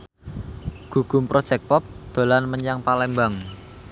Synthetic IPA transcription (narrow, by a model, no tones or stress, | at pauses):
ɡ̥uɡ̥umpɾɔd̥ʒ̥ɛk̚pɔp̚d̪̥o̤lanməɲaŋpalɛmbaŋ